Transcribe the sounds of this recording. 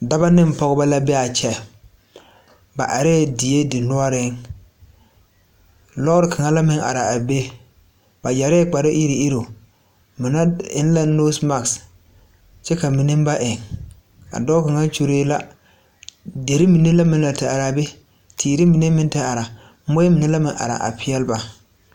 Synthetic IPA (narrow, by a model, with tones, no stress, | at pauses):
da˦ba˦nɪ˦m˨pɔ˦ɣʊ˦ba˦la˦bɛ˦a˨t͡ʃɛ˨ | ba˨ʔa˨ɾɛ˦dɪ˨e˦dɪ˨nʊ˦a˦ɾɪ˦ŋ | lɔ˦ʊ˦ɾɪ˦kʰa˨ŋa˦la˦mɪ˦ŋʔa̰˨ɾa˨a˨be˦ | ba˨ja˨ɾɛ˦k͡pa˨ɾɪ˦ʔi˦ɾi˨i˦ɾo˨ | mɪ˨na˦ɪ̰˦n˦la˦no˦sma˨ks | t͡ʃɛ˦ka˨mi˨nɪ˦m˦ba˦ʔɪ˨ŋ | a̰˨dɔ˦ka˨ŋa˦t͡ʃu˦ɾeː˦la˦ | de˨ɾi˦mi˨ne˦la˦mɪ̃˦nla˨tɪ˨a˨ɾa˨be˦ | tʰiː˨ɾi˦mi˨ne˦mɪ˦n˦ta˦a˨ɾa˨ | mo˦e˦mi˨ne˦la˦mɪ˨ŋʔa̰˨ɾa̰˨ʔa̰˨pʰɪ˦ɛ˦lba˨